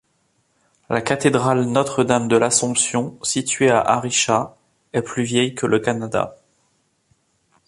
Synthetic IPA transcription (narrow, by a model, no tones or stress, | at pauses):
lakat̪ed̪ʁalnɔt̪χəd̪amd̪əlasɔ̃psjɔ̃sit̪ɥea̰ʔa̰ʁiʃa | ɛplyvjɛjkələkanad̪a̰